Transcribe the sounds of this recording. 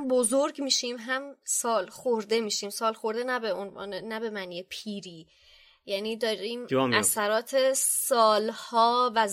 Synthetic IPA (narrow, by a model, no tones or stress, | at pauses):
bozoɾɡmiːʃiːmɦæmsɒːlxoɾd̪e̞miːʃiːmsɒːlxo̞ɾd̪enæbeonv̰ːnenæbe̞mæniepʰiːɾiː | jæniːd̪ɒːɾiːmæssæɾɒːt̪ʰesɒːlhɒːvæz